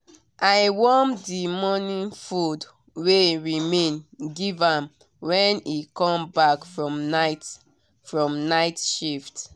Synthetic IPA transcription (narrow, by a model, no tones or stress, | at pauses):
ʔaɪwɔmdimɔnĩnfud | weɹimẽnɡivãm | wɛ̃nikɔ̃mbakfɹɔmat | fɹɔ̃mnaɪtʃift